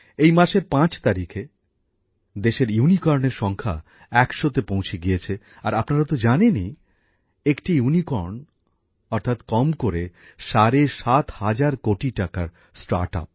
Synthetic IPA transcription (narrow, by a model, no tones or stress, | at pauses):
ejmaʃeɾpãt͡ɕt̪aɾikʰe | d̪eʃeɾjunikɔɾneɾʃɔŋkʰa̰ | ɛkʃot̪epõw̃t͡ɕʰeɡijet͡ɕʰe | aɾapnaɾat̪od͡ʑaneni | ekʈijunikɔɾn | ɔɾt̪ʰat̪kɔmkoɾe | ʃaɾeʃat̪had͡ʑaɾkoʈiʈakaɾ | sʈa̰ɾʈa̰p̚